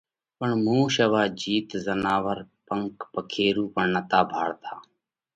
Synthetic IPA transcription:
pəɳmũːʃəʋaːd͡ʒiːt̪zənaːʋəɾpəŋkpəkʰeːɾuːpəɳnət̪aːbʱaːɽt̪ʰaː

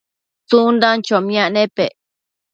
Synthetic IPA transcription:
t͡sund̪ãnt͡ʃomj̃ãʔnẽpe

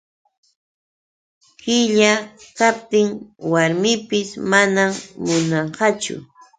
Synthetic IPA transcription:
kɪʎakap̚t̪ɪŋwaɾmɪpɪsmanamːʊnɑɴɢɑt͡ʃʊ̰

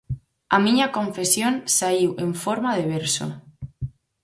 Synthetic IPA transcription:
amĩɲakõɱfesjonsaiweɱfoɾmaðeβ̞eɾso̰

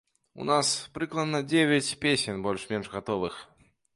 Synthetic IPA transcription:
ṵnaspɾɨklˠɐd̪nɐd͡zʲevʲat͡sʲpʲesʲɛnbɔlʲʂmʲɛnʐɣat̪ɔvɨx

